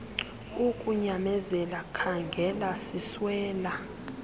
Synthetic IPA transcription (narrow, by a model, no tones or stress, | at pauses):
ukʼuɲamɛzɛlakʰaŋɡʱɛlasiswɛːla